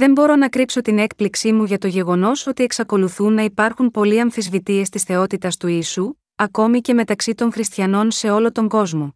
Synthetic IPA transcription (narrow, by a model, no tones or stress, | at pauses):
ðe̞mbo̞ɾo̞nɐkɾipso̞t̪ine̞k̚pliksimuʝɐt̪o̞ʝe̞ɣo̞no̞so̞t̪ie̞ksɐko̞luθunːɐipɐɾxumpo̞liɐɱfizvit̪ie̞st̪isθe̞o̞t̪it̪ɐst̪uiːsu | ɐko̞mice̞me̞t̪ɐksit̪o̞ŋxɾist̪çɐno̞nse̞o̞lo̞t̪o̞ŋɡo̞zmo̞